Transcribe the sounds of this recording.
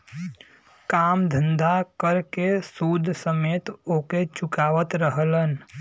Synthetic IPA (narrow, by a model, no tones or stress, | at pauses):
kaːmd̪ʱə̃nd̪ʱakəɾkesuːd̪ʱsəmeːt̪oːket͡ʃʊkaːʋət̪ɾəɦlən